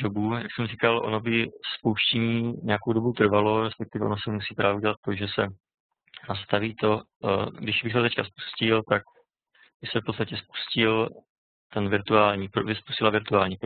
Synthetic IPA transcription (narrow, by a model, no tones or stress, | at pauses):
dobuja̰ksɛmriːkalʔo̞̰no̞bɪspowʃcɛɲiːɲɛakowdo̞but̪r̩valo̞ɾɛspɛk̚t̪ɪvɛo̞̰no̞sɛmusiːpɾaːvɛuɟɛlat̪ːo̞ʒɛsɛ | nast̪aviːt̪o̞ | ɡdɪʃbɪxt̪ɛt̪ɛckaspu̥scɪlt̪ak̚ | bɪsɛfpot̪st̪acɛspu̥scɪl | t̪ɛnvɪɾt̪uaːlɲiːpɾovɪspu̥scɪlavɪɾt̪uaːlɲiː